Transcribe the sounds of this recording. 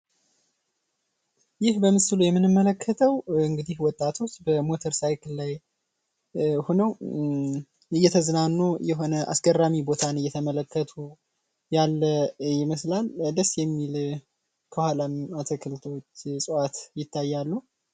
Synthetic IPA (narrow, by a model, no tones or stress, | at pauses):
jɪhbəmɨsɨlujɛmːɨnɨmːələkʰːət̪ʰəwɨŋɡɨd̪ihwɔt̪ʼːat̪ʰo̞t͡ʃːbəmo̞t̪ʰəɾsajkʰɨlːaj | honəw | ɨjːɛt̪ʰəzɨnanːujɛɦo̞nəʔa̰sɡərːamibo̞t̪ʰanɨjːɛt̪ʰəmələkːət̪ʰu | jalːəjɪməslald̪əsjɛmːil | kʰəhalamat̪ʰəkʰɨlt̪ʰot͡ʃːsʼəat̪jɪt̪ʰːajːalːu